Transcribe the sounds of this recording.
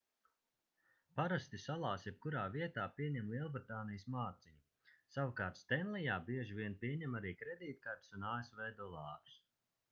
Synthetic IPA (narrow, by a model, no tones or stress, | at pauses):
paɾast̪isalˠaːsjɛp̚kuɾaːviɛt̪aːpiɛɲɛmlˠiɛlˠbɾit̪aːnijəsmaːt̪siɲu | sawkaːɾt̪st̪ɛnlˠijaːbiɛʒivʲiɛnpiɛɲɛmaɾiːkɾɛd̪iːt̪̚kaɾt̪sunaːesvɛːd̪ɔlˠaːɾu̥s